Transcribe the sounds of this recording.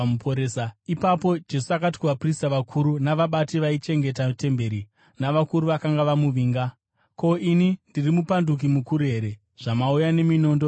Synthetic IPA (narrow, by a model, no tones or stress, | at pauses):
upoɾesaipapo̞d͡ʒe̞suakati̥kuʋapristaʋakʰuɾunaʋaɓatiʋait͡ʃe̞ŋɡe̞tate̞mbe̞ɾi | naʋakuɾuʋakaŋɡaʋamuʋiːŋɡa | ko̞inindirimupanduk̬imukuɾue̞ɾe̞ | ʐ̥amaujane̞mino̞ːndo